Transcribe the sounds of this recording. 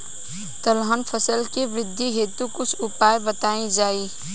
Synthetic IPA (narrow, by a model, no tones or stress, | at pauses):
t̪ɐlɦanpʰəsəlkiʋɾɪd̪ʱːiɦeːt̪ukʊt͡ʃʰʊpaːjbət̪aːĩd͡ʒaːiː